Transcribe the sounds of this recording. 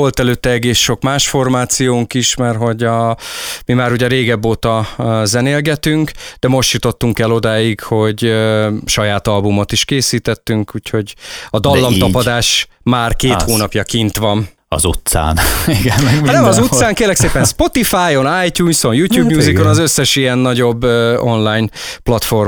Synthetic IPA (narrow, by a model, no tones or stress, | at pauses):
o̞lt̪ɛløːt̪ːɛɛɡeːsʃo̞kmaːʃfo̞rmaːt̪sijoːŋkiʃmɛrɦo̞ɟɒmimaːɾuɟɛɾeːɡɛbːoːt̪ɒzɛneːlɡɛt̪yŋkd̪ɛmo̞ʃt̪jut̪o̞t̪ːuŋkɛlo̞d̪aːjikho̞ɟ | ʃɒjaːt̪ɒlbumo̞t̪iʃkeːsiːt̪ɛt̪ːyŋkuːcho̞ɟɒd̪ɒlːɒmɒpɒd̪aːʃ | maːrkeːt̪hoːnɒpjɒkint̪ʋɒm | ɒ̰zṵt̪sa̰ːniɡɛnnɛmɒzut̪saːŋkeːlːɛkseːpɛnspo̞t̪ifaːjo̞naːjt̪uːnso̞njuːt̪juːbɲuːzikonɒzøsːɛʃijɛnːɒɟo̞bːøo̞nlaːjnplɒt̪fo̞r